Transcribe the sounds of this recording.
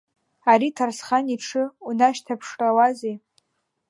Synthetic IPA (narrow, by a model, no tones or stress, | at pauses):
aɾitʰarsχaniʈ͡ʂʰɨunaʃtʰapʰʂrʼawazej